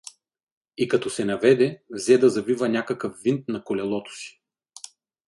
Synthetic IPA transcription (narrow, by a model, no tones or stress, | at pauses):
ikɐt̪ɔsɛnɐvɛd̪ɛvzɛd̪ɐzɐvivənʲakɐkəfːint̪̚nɐkolɛlˠɔt̪o̥si̥